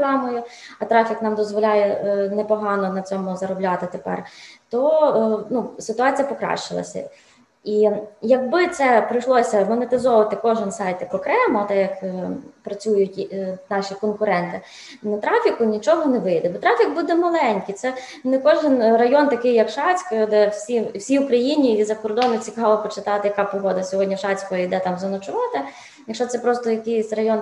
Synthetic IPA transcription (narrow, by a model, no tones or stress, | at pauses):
lɑmɔjʊ | ɐt̪ɾɑfʲiknɑmd̪ɔzʋɔlʲajɛnɛpɔɦɑnɔnɐt͡sʲɔmʊzɐɾɔblʲɑt̪ɪt̪epɛ̰rt̪ɔnusɪt̪ʊɑt͡sʲijɐpɔkɾɑ̰ʃɪlˠɐ̰sʲɐ̰ | ijɐɡ̚bɪt̪sɛpɾɪjʃlˠɔsʲɐmɔnet̪ɪzɔʋɐt̪ɪkɔʒɪnsɑjt̪jɐkɔkɾɛmɔt̪ɛjɐkpɾɐt͡sʲujʊtʲnɑʃʲikɔnkʊɾɛnt̪ɪ | nɐt̪ɾɑfʲikʊnʲit͡ʃɔɦɔneʋɪjd̪ɛbɔt̪ɾɑfʲikbud̪ɛmɐlˠɛnʲkʲijt̪sɛ | nkɔʒɪnrɐjɔnt̪ɐkɪjɐkʃɑt͡sʲkd̪ɛwsʲiwsʲiʊkɾɐjinʲiizɐkɔrd̪ɔnʊt͡sʲikɑlˠɔpɔt͡ʃɪt̪ɑt̪ɪjɐkɑpɔɦɔd̪ɐsʲɔɦɔdʲnʲɐʃɑt͡sʲkɔɔjd̪ɛt̪ɑmzɐnɔt͡ʃʊʋɑt̪ɪ | jɐkʃɔt̪sɛpɾɔst̪ɔjɐkɪjsʲrɐjɔn